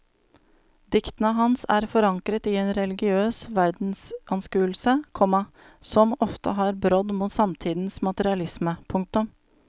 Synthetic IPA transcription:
d̪ɪkt̪nəɦɑnsæ̰ːɾfɔɾɑŋkɾət̪iːeːnɾɛlɪɡɪøːsʋæɾd̪n̩sɑnskʉːlsəkʰɔmɑ | sɔmɔft̪ə̰ɦɑːɾbɾɔd̪muːt̪sɑmt̪ʰiːd̪n̩smɑt̪əɾɪɑlɪsməpʰʊŋk̚t̪ʊm

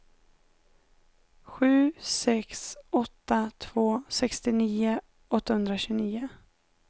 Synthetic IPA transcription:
ɧʉ̟ːsɛksɔt̪ːat̪ʰv̥oːsɛkst̪ɪniːʊ | ɔt̪ːahɵnd̪ɾaɕʉːniːʊ

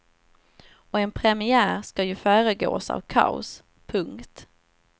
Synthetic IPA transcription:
ɔɛnpʰɾɛmɪæːɾskɑjɵfœːɾəɡo̰ːsa̰vkʰa̰ʊ̰s | pʰɵŋkt̪

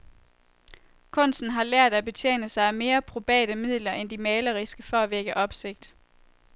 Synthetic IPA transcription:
kʰɔ̽n̰sn̩ɦɑ̈læɐ̰d̥æb̥e̝t͡sʰjḛːnəsɑ̈ɪæme̝ːɐb̥ʰʁo̝b̥ɛ̰ːd̥əmið̰ˠlɐʔend̥imɛːlɐʁisɡ̥əfɒ̽æʋeɡ̥əʔɒ̽b̥se̝ɡ̥̚d̥

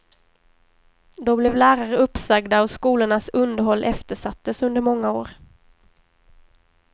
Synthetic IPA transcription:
d̪ɔblɛvlæːɾaɾəɵpːsaɡd̪aɔskuːlʊɳasɵnd̪əɾɦɔlːʔɛft̪əʂat̪ːəsɵnd̪əɾmɔŋːaoːɾ

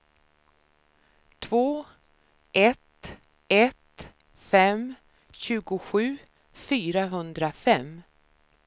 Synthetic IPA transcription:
t̪ʰvoː | ʔɛt̪ | ɛt̪ | fɛm | ɕʉ̟ːɡʊɧʉ̟ː | fyːɾaɦɵnd̪ɾafɛm

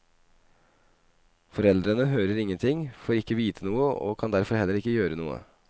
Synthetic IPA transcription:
fɔɾɛld̪ɾənəɦøːɾəɾɪŋːənt̪ʰɪŋfoːɾɪkːəʋiːt̪ʰənuːəo̰ːkʰɑnd̪æɾfɔɾhɛlːəɾɪkːəjøːɾənṵːə̰

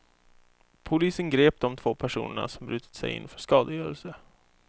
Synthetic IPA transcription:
pʰʊliːsənɡɾeːp̚d̪ɔmt̪ʰv̥oːpʰæʂṵːnəɳa̰sɔmbɾʉ̟ːt̪ʰə̥t̪sɛjɪ̰nːfœʂkɑːd̪əjœːɾəlsə

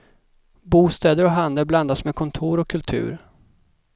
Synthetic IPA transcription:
buːst̪ɛːd̪əɾɔɦand̪əbland̪asmeːkʰɔnt̪ʰuːɾɔkʰːɵlt̪ʰʉ̟̰ːɾ

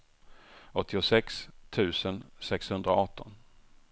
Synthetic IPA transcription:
ɔt̪ʰːɪʊsɛkst̪ʰʉ̟ːsənsɛkshɵnd̪ɾaɔt̪ʰːɔn

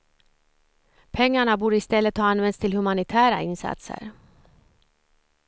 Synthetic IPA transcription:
pʰɛŋːaɳabuːɖəɪst̪ɛlːət̪hɑːanvɛnst̪ʰɪlhɵmanɪt̪ʰæːɾaɪnsa̰t̪sə̰ɾ

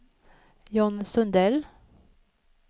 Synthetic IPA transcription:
jɔnsɵnd̪ɛl

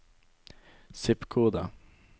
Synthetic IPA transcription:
sɪpkʰuːd̪a̰

